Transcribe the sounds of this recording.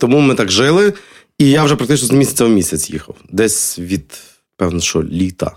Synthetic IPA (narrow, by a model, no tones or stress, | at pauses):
t̪ɔmumɪt̪akʒɪlˠɪ | ijawʒɛpɾɐk̚t̪ɪt͡ʃnɔzɐmʲisʲɐ̥t͡sʲɐmʲisʲɐt͡sʲjḭxɐ̰wd̪ɛsʲʋʲid̪ | pɛwnɐʃɔ̰lʲit̪ɐ̰